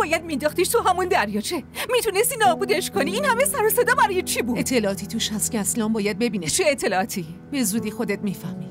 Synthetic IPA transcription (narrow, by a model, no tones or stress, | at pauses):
bɒːjæd̪̚mind̪ɒːxt̪iʃt̪ʰuɦæmund̪æɾjɒt͡ʃʰemit̪ʰunest̪inɒːbuːd̪eʃkʰoniiːnhæmesæɾɔsed̪ɒmæɾɔːjet͡ʃʰibuet̪ʰːelɒɒːt̪ʰiːt̪ʰuʃhæst̪̚kʰʲeæslɒːmbɒːjæd̪̚be̞biːnet͡ʃʰeet̪ʰːelɒːt̪ʰi | be̞zuːd̪ixo̞d̪et̪̚miːfæhmi̥